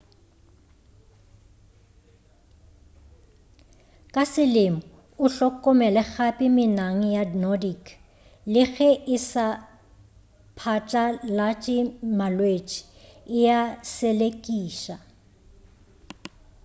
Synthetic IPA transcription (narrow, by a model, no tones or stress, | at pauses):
kʼasɪlɪmɔ | ʊɬɔkʼːɔmɛlɛɣapʼɪmɪnaŋ̩jadnɔdik | lɪɣɛʔɪsa | pʰat͡ʃʼalat͡ʃʼɪmalwet͡ʃʼi̥ɪjasɛlekʼiːʃa